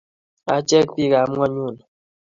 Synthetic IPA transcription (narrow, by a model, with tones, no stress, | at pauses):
a̰˨t͡ʃɛ˦k̚pi˦ka˨˦mwa˦ɲu˦˨n˨